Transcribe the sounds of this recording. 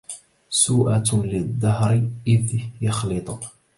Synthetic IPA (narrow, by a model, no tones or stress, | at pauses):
suːʔalɪd̪ˤːɑhɾʔɪðjəxlət̪ˤəq